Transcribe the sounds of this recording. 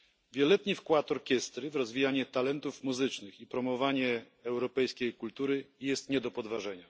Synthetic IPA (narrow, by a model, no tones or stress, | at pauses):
vʲjɛlɔlɛt̪ɲifkwat̪ɔɾkʲɛst̪ɾɘvɾɔzvʲijaɲɛt̪alɛnt̪ufmuzɘt͡ʂnɘxipɾɔmɔvaɲɛː | wɾɔpɛjskʲejkult̪uɾɘjɛst̪ɲɛd̪ɔpɔd̪vaʐɛɲa